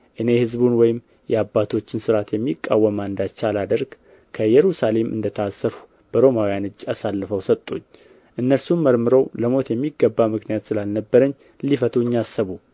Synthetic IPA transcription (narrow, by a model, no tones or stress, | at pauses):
ʔɨne̞hɨzbunwɔjɪm | jɛabːat̪ʰo̞t͡ʃːɪnsɨɾat̪jɛmːikʼːawːəmand̪at͡ʃːalad̪əɾɡ | kʰəjɛɾusale̞mʔɨ̰nd̪ət̪ʰəasːəɾu | b̥əɾo̞mawjanɨd͡ʒːasalːɨfəwsət̪ʼːuɲː | ʔɨnːəlsumːəɾmɨɾowləmo̞t̪jɛmːiɡːəbːamɨknijat̪sɨlalnəbːəɾəɲː | lifət̪ʰuɲːasːəβu